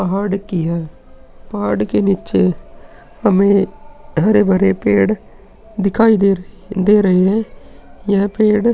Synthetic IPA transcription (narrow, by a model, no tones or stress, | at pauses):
pɐɦaːɽkɪja | pɐɦaːɽkenit͡ʃe | hɐmẽɦɐɾebɐɾepeːɽ | d̪ɪkʰaːid̪e | d̪eːɾɐɦeɦɛ̃jãpeːɽ